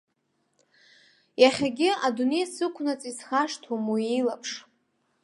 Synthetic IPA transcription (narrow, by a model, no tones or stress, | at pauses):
jaχʲaɡʲɪadune̞jsɨkʷʰnat͡sʼisχaʂtʰumuilapʰʂ